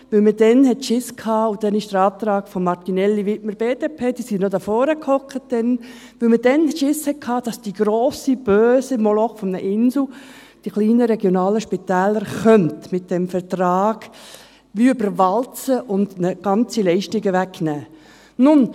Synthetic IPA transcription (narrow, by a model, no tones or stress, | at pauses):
ʋɪlmədɛnɦɛtʃɪskʰhɑːʊd̥ɛnɪʃd̥əɾɑːp̚t̪ɾɑːɡ̥fɔmːɑʁtinɛlːiʋɪtməɾb̥eːdeːpʰeːd̥isinodɑfɔːɾəkhɔkχət̚d̥ɛn | ʋɪlməd̥ɛnʃɪshɛt̚kʰhɑːd̥ɑsd̥iɡ̥ɾoːsib̥øːsimɔlɔχfɔmnəʔɪnsl̩ | d̥iχliːnəɾɛɡjonɑːləʃpit̪ɛːləɾχœntmɪt̚d̥ɛmfɛɾtrɑːɡ̥ | ʋybəɾʋɑlt͡səʔʊndnəɡ̥ɑnt͡silɛɪʃtɪɡəʋækːnæː | nʊn